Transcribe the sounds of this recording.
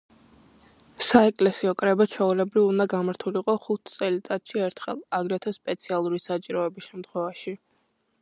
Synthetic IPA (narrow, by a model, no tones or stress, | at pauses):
saɛkʼlɛsiɔkʼɾɛbat͡ʃʰɛulɛbɾivund̪aɡamaɾt̪ʰuliqʼɔχut̪ʰt̪sʼɛlit̪sʼat̪ʃiɛɾt̪ʰχɛ̰lˠaɡɾɛt̪ʰɔspʼɛt̪sʰialˠuɾisat͡ʃʼiɾɔɛbisʃɛmt̪ʰχwɛvaʃi